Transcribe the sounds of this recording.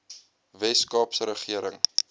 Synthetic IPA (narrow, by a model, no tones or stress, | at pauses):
vɛskɑːpsəɾəχiəɾəŋ